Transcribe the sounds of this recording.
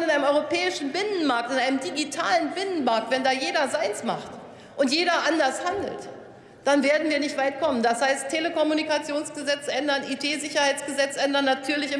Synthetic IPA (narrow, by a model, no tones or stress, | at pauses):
nɪnʔaɪnəmʔɔʏʁopʰɛːɪʃn̩bɪnənmaɐk̚tɪnʔaɪnəmdiɡitʰa̰ːlənbɪnənmaɐk̚tv̥ɛndaːjeːdɐzaɪnsma̰χt | ʔʊntjeːɾɐʔandɐshandl̩t | d̥anveːɐdn̩viːɐnɪçtv̥aɪtkʰɔmənd̥ashaɪstʰeləkɔmunikat͡sjoːnsɡ̥əzɛt͡sʔɛndɐnʔitʰeːzɪçɐhaɪt͡sɡ̥əzɛt͡sʔɛndɐnːatʰyːɐlɪçɪ